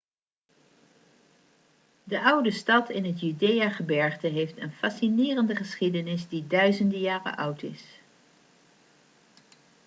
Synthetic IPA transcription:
dəʔʌwdəstɑtʰɪnɦətjydejaːχəbɛɹχtəɦejftənfɑsinɪːrəndəχəsχidənɪzdidœɥzəndəjaːrə̰ʔʌwtɪ̰s

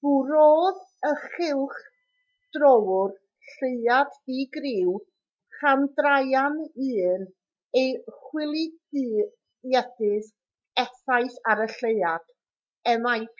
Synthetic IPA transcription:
v̥uɾoːðəχɪlˠχ | d̥rɔwʊr | ɬeɨadiɡrɪw | χamdrajanɨːn | ejχwɪlˠidɨː | jɛdɨð | ɛθajθaɾəɬeɨad̥ | ɛmaj

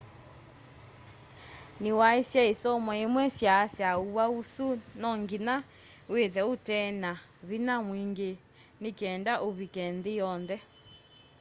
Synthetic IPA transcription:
newaesjaesɔmɔemwɛsjasjauausunɔŋɡina | weðɛotɛna | βinamwiŋɡe | nekɛːndaʔoβikɛnðejɔnðɛ

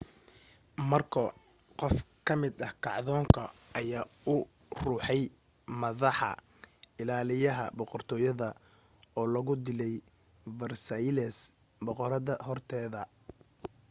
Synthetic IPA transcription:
mɐrkʰɐ | qɔfkʰɐmɪd̪ɐhkʰɑʕðɔːŋkʰɐʔɐjaːʊ | ruːħɛj | mɐðɑħɑ̰ | ɪlaːlɪjɐɦɐ̰bɔqɔrt̪ʰɔːjɐðɐ | ɔːlɐɣʊd̪ɪlɛj | bɐrsɐlɛs | bɔqɔɾɐðɐhɔrt̪ʰɛːðɐ

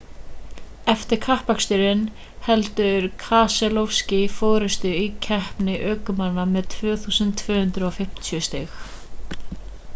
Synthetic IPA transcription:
ɛft̪ɪɾ̥kʰahpakst̪ʏɾɪn | hɛlt̪ʏɾkʰaːsɛlofscɪfɔːɾɪst̪ʏicʰɛhpnɪʔœːkʏmanamɛðt̪ʰvœːθuːsʏnt̪ʰvœːhʏnt̪ɾʏɔfɪm̥t̪ʰiœst̪ɪx

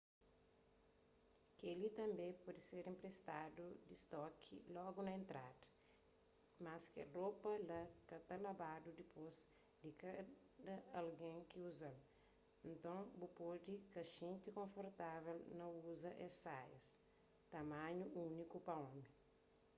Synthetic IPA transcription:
kelit̪ɐ̃mbẽpɔd̪iseɾĩmpɾest̪ad̪ud̪ist̪ɔkʰḭlɔɡunɐẽnt̪ɾad̪ɐ̥ | maskeropɐlɐkɐt̪ɐlabad̪ud̪ipʰoz | d̪ika | d̪ɐalɡẽŋkiuzɐl | ẽnt̪õŋbupod̪ikɐʒẽnt̪ikõfoɾt̪avelnɐuzɐʔesajɐ̰s | t̪ɐmãɲuunikupɐõmi

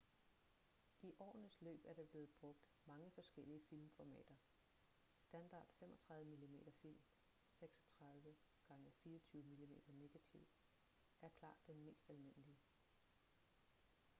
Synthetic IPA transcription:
ʔiʔɒ̰ːnəslø̰ːb̥æɐd̥ɑ̈b̥le̝ːð̩ˠb̥ʁɔ̽ɡ̥̚d̥ | mɑ̈ŋəfɒ̽sɡ̥el̰iəfilmfɒmɛ̰ːd̥ɐ | sd̥ænd̥ɑ̰̈ːd̥femʔɒ̽t͡sʰʁɑ̈ð̞ˠʋəmilime̝̰ːd̥ɐfil̰m | seɡ̥sɒ̥t͡sʰʁɑ̈ðˠʋə | ɡ̥ɑ̈ŋəfiːɐɒt͡sʰyːʊəmilime̝̰ːd̥ɐne̝ɡ̥æt͡sʰiʊ̰ | ʔæɐkʰl̥ɑ̰̈ːd̥ːenme̝̰ːsd̥ælme̝n̰əliə

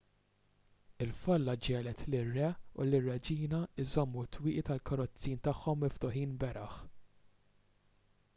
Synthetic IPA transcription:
ɪlfɐlːɐd͡ʒɛːlɛt̪lɪrːɛʊ̰lɪrːɛd͡ʒiːnɐɪzɔmːut̪wɪːʔit̪ɐlkɐɾɔt͡sːiːnt̪ɐħːɔmːɪft̪ʊħiːnbɛɾʔɐħ

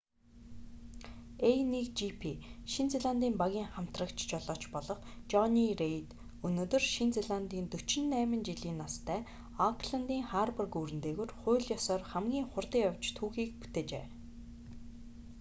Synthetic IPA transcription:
ejnikt͡ɕipʰiʃint͡seɮant̪iːmpaɣʲiːŋχam̥t̪rə̆kt͡ɕt͡ɕɔɮɔːt͡ɕpɔɮɞ̆χt͡ɕɔnirejt̪ | ɵnoːt̪ɵ̆rʃint͡seɮant̪iːnt̪ɵt͡ɕɪ̆nːæːmɘ̆nt͡ɕiɮiːnːast̪ʰæː | ɔŋkʰɮant̪iːŋχarpə̆rkuːɾɘ̆nt̪eːɣoːrχʊːɮjɔsɔːrχæmɡʲiːŋχʊrt̪iːkawt͡ɕt̪ʰuːxiːk̚pu̥t̪eːt͡ɕḛː

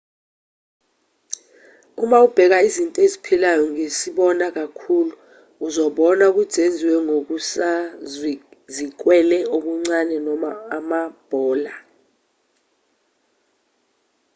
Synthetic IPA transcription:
umaub̥ʱɛk̬aizintʼɔezipʰilajɔŋesiɓɔnak̬akʰuluː | zɔɓɔnauk̬ud̥ʱend͡zʱiwɛŋok̬usa | zik̬ʼwɛlɛoɓuŋ͡ǀanɛnɔmaːmab̥ʱɔːla

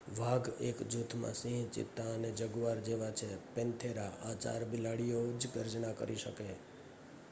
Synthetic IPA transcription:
ʋʱaɡekd͡ʒut̪ʰmã̰sĩɦt͡ʃḭt̪ːaəned͡ʒəɡuʋaɾd͡ʒeʋat͡ʃʰepɛ̃nt̪ʰeɾaʔat͡ʃa̰ɾbilaɽijod͡ʒɡəɾd͡ʒnakə̰ɾʔiʃə̰ke

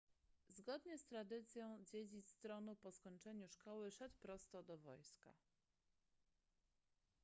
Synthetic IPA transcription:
zɡɔd̪ɲɛst̪ɾad̪ɘt̪sʲjɔ̃w̃d͡ʑed͡ʑit̪st̪ɾɔnupɔskɔɲt͡ʂɛɲuʂkɔwɘʂɛt̪wpɾɔst̪ɔd̪ɔvɔ̰jska̰

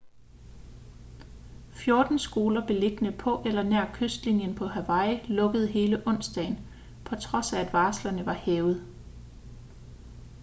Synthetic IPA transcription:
fjo̝ɐd̥n̩sɡ̥o̝ːlɐb̥e̝le̝ɡ̥ənəpʰɒ̽ʔelɐneɐ̰kʰøsd̥linjənpʰɒ̽ɦæʋɑ̈ɪlɔ̽ɡ̥əð̞̩ˠɦe̝ːləʔɔ̽n̰sdd̥ɛ̰ɪn | pʰɒ̽t͡sʰʁɒ̽sææd̥ʋɑ̈ːslɐnəʋɑ̈hɛːʊð̞̩ˠ

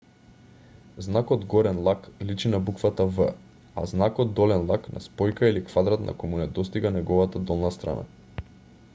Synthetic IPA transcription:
znakɔd̪ɡɔɾɛnlˠaklit͡ʃinabukvat̪avə | a̰znakɔd̪ːɔlɛnlˠaknʔa̰spɔjkailikvad̪ɾat̪na̰kɔjmunɛd̪ɔst̪iɡanɛɡɔvat̪ad̪ɔlˠnast̪ɾa̰na̰

